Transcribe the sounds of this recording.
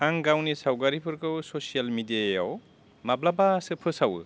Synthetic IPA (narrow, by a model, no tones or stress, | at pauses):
aŋɡawnisawɡaɾipʰɯɾkɯwsosijalmidiaja̰w | mablabasɯpʰɯsaw̰